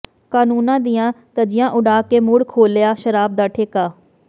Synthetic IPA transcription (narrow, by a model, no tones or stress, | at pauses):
kaːnuːnãːd̪ɪjãːt̪əd͡ʒɪjãːʔʊɖaːkeːmuːɽkʰoːljaːʃəɾaːb̚d̪aːʈʰeːkaː